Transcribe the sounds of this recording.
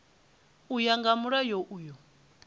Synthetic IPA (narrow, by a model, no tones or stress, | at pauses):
ujaŋɡamuɺajɔʔuːjɔ